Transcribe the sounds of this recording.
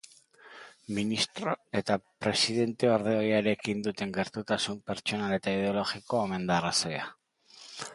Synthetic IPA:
minist̪ɾo̞e̞t̪apɾe̞siðe̞nt̪e̞oɾðeojaɾe̞kind̪ut̪e̞ŋɡe̞ɾt̪ut̪asumpe̞ɾt͡ʃo̞nale̞t̪aið̞e̞o̞lo̞ɣikoome̞nd̪arasoja

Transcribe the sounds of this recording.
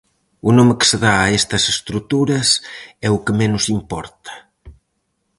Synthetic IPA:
unomekɪ̥seðaːest̪ɐsest̪ɾut̪uɾɐsɛʊkemenʊsimpɔɾt̪ɐ̥

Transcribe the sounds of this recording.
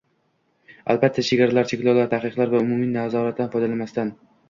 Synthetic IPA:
a̰lbat̪ʰːaʃʰeɡʲaɾalaɾt͡ʃʰekʲlɒwlaɾt̪ʰahqɨqlˠaɾvaʊmʊminazɒɾat̪̚d̪anfɒjd̪alamast̪an

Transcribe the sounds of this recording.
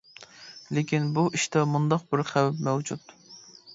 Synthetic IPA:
lɪkʲinbuʔiʃt̪ɛmund̪ɑqbɪɾχæwɛpmɛwd͡ʒut̪

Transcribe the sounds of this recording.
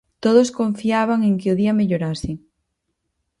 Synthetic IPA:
t̪oðoskoɱfiaβ̞aŋeŋkeoðiameʎoɾasɪŋ

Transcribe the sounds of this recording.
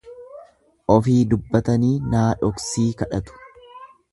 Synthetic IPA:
ʔɔfiːd̪ʊbːɐt̪ɐniːnaːᶑɔksiːkɐᶑɐt̪ʊ̥

